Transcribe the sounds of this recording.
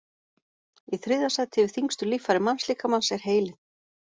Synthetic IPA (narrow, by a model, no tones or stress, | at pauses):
iθɾɪðasat̪ʰɪvɪðθiŋst̪ʏlifaɾɪmansliːkamansɛɾ̥ɦeːjlɪn